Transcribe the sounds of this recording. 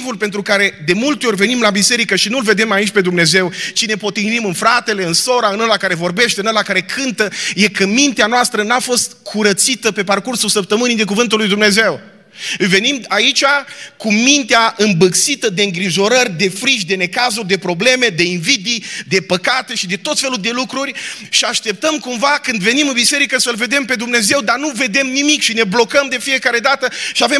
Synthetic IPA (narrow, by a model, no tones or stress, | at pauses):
vulpent̪ɾukaɾe̞d̪e̞mult̪eo̞rʲvenimlabise̞ɾikəʃinulve̞d̪e̞mait͡ʃʲpe̞d̪umne̞ze̞wt͡ʃine̞po̞t̪inimɨnfɾat̪e̞le̞ɨnso̞ɾaɨnəlakaɾe̞vo̞rbe̞ʃt̪eɨnəlakaɾe̞kʰɨnt̪əje̞kəmint̪eanoast̪ɾənafo̞st̪̚kʰuɾət̪sit̪əpe̞parkursulsəp̚t̪əmɨnijd̪e̞k̬uvɨnt̪̬ulːujd̪umne̞ze̞w | ɨlve̞nimait͡ʃʲakumint̪eaʔɨmbɨksit̪əd̪e̞ɨŋɡɾiʒo̞ɾərʲd̪e̞fɾiʃd̪e̞ne̞kazud̪e̞pɾo̞ble̞me̞d̪e̞invid̪id̪e̞pəkat̪e̞ʃid̪e̞t̪o̞t̪fe̞luld̪e̞lukɾurʲʃiaʃt̪e̞p̚t̪əmkumvakɨnd̪ve̞nimɨnbise̞ɾikəsəlve̞d̪e̞mpe̞d̪umne̞ze̞wd̪anuve̞d̪e̞mnimikʃine̞blo̞kəmd̪e̞fije̞kaɾe̞d̪at̪əʃiave